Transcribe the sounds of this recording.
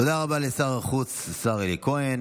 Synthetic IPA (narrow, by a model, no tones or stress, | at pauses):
od̪aʁabalesaʁaχut͡ssaʁelikoen